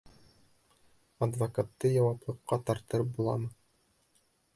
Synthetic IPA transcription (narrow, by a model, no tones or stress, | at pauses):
ɐd̪vɐkat̪ːɤjɑwɑplˠɤ̆qːɑt̪ɑɾt̪ɤɾɤp̚bulˠɑ̰mɤ